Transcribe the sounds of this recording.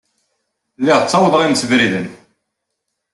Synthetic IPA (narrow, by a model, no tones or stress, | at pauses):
lːiʁt͡sːɑwəðˤəʁimsəvɾiðən